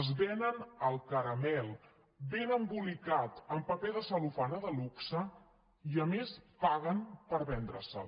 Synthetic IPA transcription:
zβɛnənəlˠkəɾəmɛlˠ | benəmbulikat̪əmpəpeðəsəlufanəðəluksə | iəmespaɣənpəɾβɛnd̪ɾə̰sə̰

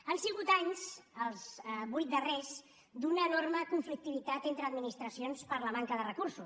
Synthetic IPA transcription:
ənsiɣ̞ut̪aɲzəlˠzβujt̪̚d̪ərez | d̪unəːnorməkuɱflik̚t̪iβit̪at̪ent̪ɾəːd̪minist̪ɾəsionspəɾləmaŋkəðərəkuɾsu

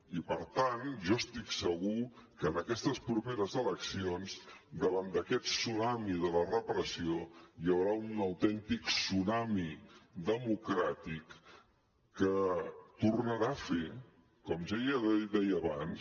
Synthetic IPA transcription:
ipəɾt̪anʒɔəst̪iksəɣ̞ukəːnəkɛst̪əspɾupeɾəzələksionzd̪əβand̪əkɛt̪sunamiðələrəpɾəsiojəwɾaunəwt̪ɛnt̪iksunamiðəmukɾat̪ikː | ət̪urnəɾafe | kɔmʒajad̪ɛjːβans

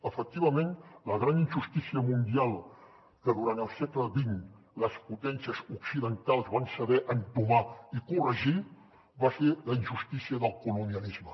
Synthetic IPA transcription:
əfək̚t̪iβəmenləɣɾaninʒust̪isiəmund̪ialˠ | kəðuɾant̪əlˠsɛkləβin | ləsput̪ɛnsiəzuksiðənt̪alˠzβansəβɛʔənt̪umaikurəʒi | bafeləinʒust̪isiəðəlˠkuluniənizmə

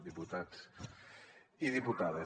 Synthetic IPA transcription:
ðiput̪at͡s | iðiput̪aðe

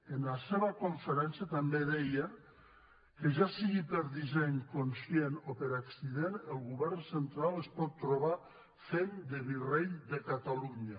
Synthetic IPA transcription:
enlaseβakoɱfəɾɛnsjat̪ambeðɛjə | keʒasiɣipəɾðizɛɲkonsjenopəɾaksiðenəlˠɣuβɛɾnsent̪ɾaləspɔt̪ːɾoβ̞a | fend̪əβireʎd̪əkat̪aluɲa

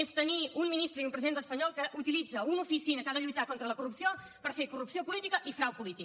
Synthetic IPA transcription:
est̪əniunminist̪ɾəiumpɾəziðent̪əspəɲɔlˠkəʔut̪ilid͡zəunufisinəkaðəʎujt̪akont̪ɾələkurupsio | pəɾfekurupsiopulit̪ikəʔifɾawpulit̪i

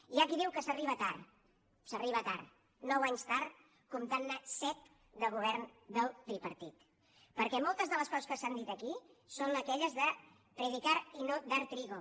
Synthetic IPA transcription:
iʒakiðiwkəsəriβət̪ar | səriβət̪a̰ɾ | nɔwaɲst̪aɾt̪ | kumt̪anːasɛt̪̚ | d̪əɣuβɛɾnd̪əlˠt̪ɾipəɾt̪it̪ | pəɾkɛmɔlˠt̪əzðələskɔzəskəsand̪it̪əki | sonəkɛʎəzðə | pɾəðikaɾinod̪aɾt̪ɾiɣo

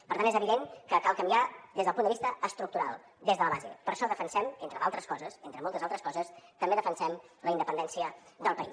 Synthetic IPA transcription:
pəɾt̪anezəβiðeŋkəkalˠkəmbiaðezðəlˠpund̪əβist̪əːst̪ɾuk̚t̪uɾa̰lˠ | d̪ezðələβazḛpəɾʃɔðəfənsɛment̪ɾəðalˠt̪ɾəskɔzəsent̪ɾəmɔlˠt̪əzalˠt̪ɾəskɔzəst̪əmbeðəfənsɛmləind̪əpənd̪ɛnsiəðəlˠpəḭ

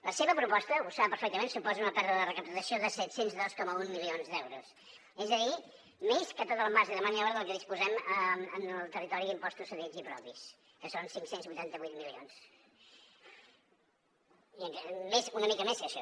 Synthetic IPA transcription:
ləseβəpɾupɔst̪əusaəpəɾfɛk̚t̪əmensupɔzəunəpɛɾðəðərəkəpt̪əsioðəsɛt̪senzðɔskɔməunmilionzðɛwɾṵs | ezəði | meskət̪ot̪əlˠmaʒəðəmaniɔɾðəlˠkəðispuzɛməənəlˠt̪ərit̪ɔɾiðimpɔst̪usəðiʎzipɾɔpis | kəsonsiŋksenzβujt̪ant̪əβujt̪̚milio̰ns | iəŋkmezunəmikəmeskəʃɔ

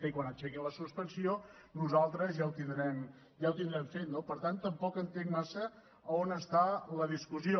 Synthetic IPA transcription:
əikwanət͡ʃɛkiləsuspənsionuzalˠt̪ɾəzjawt̪ind̪ɾɛm | jawt̪ind̪ɾɛmfet̪nopəɾt̪ant̪əmpɔkənt̪eŋmasəː | onəst̪aləðiskuzio

